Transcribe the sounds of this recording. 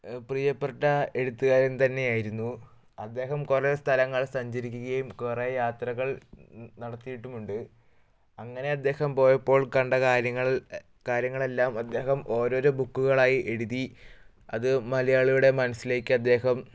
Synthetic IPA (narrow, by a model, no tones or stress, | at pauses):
prijɐpːeʈːɐe̞ɽut̪ːuɣaːɾent̪ɐnːe̞jaːjiɾunːu | ɐd̪ːe̞ːɦɐmkurest̪ʰɐlɐŋːɐɭsɐɲd͡ʑɐɾikʲːuɣɐjumkurejaːt̪rɐɣɐɭnɐɽɐt̪ːijiʈːumuɳɖɨ | ɐŋːɐne̞ɐd̪ːe̞ːhɐmpo̞ːjɐpːo̞ːɭkɐɳɖɐaɾɐŋːɐɭ | kaːɾjɐŋːɐɭe̞lːaːmɐd̪ːe̞ːhɐmo̞ːɾo̞ːɾoːbukːuɣɐɭaːjiʔe̞ɽuði | ɐðɨmɐlɐjaːɭijuɽe̞mɐnɐsːile̞ːkːɨɐd̪ːe̞ːhɐm